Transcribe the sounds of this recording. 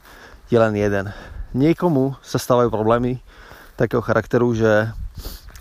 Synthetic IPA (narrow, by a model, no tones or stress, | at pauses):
jɛlɛnjɛd̪ɛnɲɪɛkɔmusast̪aːʋajuːpɾɔblɛːmi | t̪akɛːɦɔxaɾʔakt̪ɛɾuʒɛ